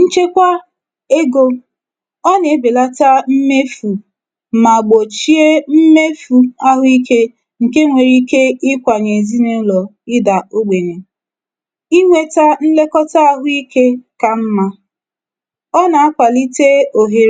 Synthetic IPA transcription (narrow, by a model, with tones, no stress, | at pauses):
n̩˦t͡ʃe˦kʷa˦ | e˦ɡo˦ | ɔ˦ne˨˦be˨la˦ta˦m̩˦me˦fu˨ | ma˨ɡ͡bo˨t͡ʃi˦e˦m̩˦me˦fu˨a˦ɦʊ˦i˦ke˦ | ŋ̩˨ke˦ŋʷe˨ɾi˦ke˦ɪ˦kʷa˨ɲe˨zi˦ne˦lɔ˨ | ɪ˦da˨o˦ɡ͡be˨ɲe˨ | i˦ŋʷe˦ta˦n̩˦le˦kɔ˦ta˦a˦ɦʊ˦i˦ke˦ka˨m̩˦ma˦ | ɔ˦na˨a˦kʷa˨li˦te˦o˨ɦe˦ɾ